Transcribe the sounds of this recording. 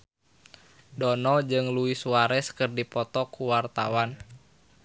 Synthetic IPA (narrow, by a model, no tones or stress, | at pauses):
dɔnɔd͡ʒɨŋluisuaɾɛskɨrdipɔt̪ɔkuwart̪a̰wan